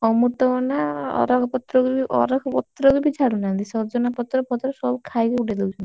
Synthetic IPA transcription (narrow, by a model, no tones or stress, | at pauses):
ɔmuʈ̪ɔɔnaɔ̰ɾɔkʰɔpɔt̪ɾɔkubiʔɔ̰ɾɔkʰɔpɔt̪ːɾɔkubid͡ʒʱaɽunand̪isɔbd͡ʒɔnapɔt̪ːɾɔpɔt̪ːɾɔsɔbkʰajkeuʈʰed̪ewt͡ʃʰɔnt̪i